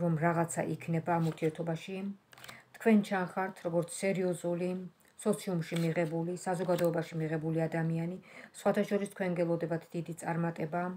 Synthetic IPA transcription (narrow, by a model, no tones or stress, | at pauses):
ɾɔmɾaʁat̪sʰa̰ʔikʰnɛbaːmuɾt̪ʰiɛɾt̪ʰɔbaʃi | t̪ʰkʰwɛnt͡ʃʰanχaɾt̪ʰɾɔɡɔɾt̪sʰsɛɾiɔzuli | sɔt̪sʰiumʃimiʁɛbulisazɔɡad̪ɔɛbaʃimiʁɛbuliad̪amianisχwat̪ʰaʃɔɾist̪ʰkʰwɛnɡɛlˠɔd̪ɛbat̪ʰd̪̥id̪it̪sʼaɾmat̪ʼɛba